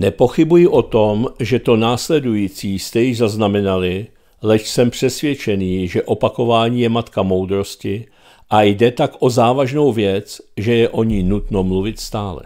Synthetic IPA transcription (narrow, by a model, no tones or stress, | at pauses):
nɛpo̞xɪbujɪʔo̞t̪o̞mʒɛt̪o̞naːslɛdujiːt͡siːst̪ɛjɪʒzaznamɛnalɪ | lɛʃsɛmpr̝̥ɛsvjɛt͡ʃɛniːʒɛʔo̞pako̞vaːɲiːjɛmat̪kamo̞wd̪ɾo̞scɪ | ʔajdɛt̪akʔo̞zaːvaʒno̞wvjɛt͡sʒɛjɛʔo̞ɲiːnut̪no̞mluvɪt̪st̪aːlɛ̰